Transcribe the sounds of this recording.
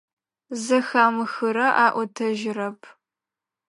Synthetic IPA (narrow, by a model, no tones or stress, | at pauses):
zɐxaːmɨxɨɾɐʔaːʔʷɔtʰɐʒɪrɐpʰ